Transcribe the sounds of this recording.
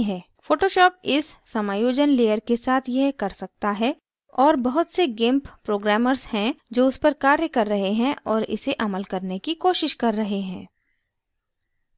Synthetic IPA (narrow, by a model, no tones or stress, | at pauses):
ɦɛː | foːʈoːʃɔːpɪsːɐmaːjoːd͡ʒənleːjəɾkesaːt̪ʰjɐɦkɐɾsɐk̚t̪aɦɛ | ɔːɾbɐɦʊt̪seɡɪ̃mppɾoːɡɾɛːməɾzhɛ̃d͡ʒoːʊspɐɾkaːɾjəkɐɾːɐɦeɦɛ̃ʔɔːɾɪ̰seʔɐməlkɐɾnekikoːʃɪʃkɐɾːɐɦeɦɛ̃ː